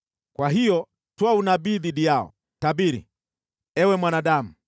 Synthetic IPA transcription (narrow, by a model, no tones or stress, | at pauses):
kwaɦijɔ | twaunabiðiɗijaɔ̰ | tabiɾḭ | ɛwɛmwanaɗamu